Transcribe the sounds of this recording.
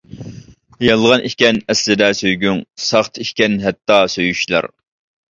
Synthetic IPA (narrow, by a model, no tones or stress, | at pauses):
jɑlˠʁɑnʔikʲɛnɛslɪd̪ɛsøjɡʲyŋsɑχt̪ʰikʲɛnɦɛt̪ːɑsøjyʃlˠɑ̰ɾ